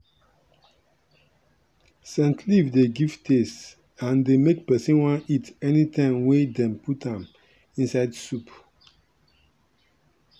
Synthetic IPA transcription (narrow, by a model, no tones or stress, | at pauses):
sɛ̃ntʰlivdeɡivtʰes | ãndemekpɛsĩnwãnitɛnitʰãɪ̃mwedɛ̃mputãm | ĩnsaɪdsup